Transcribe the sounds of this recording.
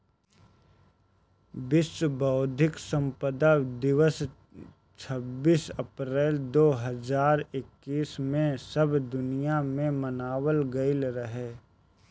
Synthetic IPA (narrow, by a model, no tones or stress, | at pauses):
bɪsbəʊd̪ʱɪksə̃mpəd̪ad̪ɪʋəs | t͡ʃʰəbiːsəpɾɛːld̪oːɦəzaːɾɪkːiːsmẽsəbʱd̪ʊnijamẽmənaːwəlɡəɪlɾəɦeː